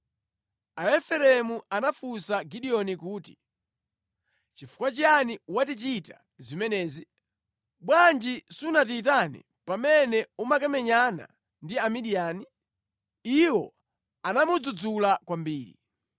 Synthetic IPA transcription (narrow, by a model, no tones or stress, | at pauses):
aɛfɛɾɛmuanafusaɡiɗiɔnikuːti̥ | t͡ʃifu̥kwat͡ʃjaniwatit͡ʃita | zimɛnɛːzi | ɓwand͡ʒisunatiːt̬anḭ | pamɛnɛumakɛmɛɲana̰ | ndiamiɗiaːni | iwɔ | anamud͡zud͡zulakwambiːɾḭ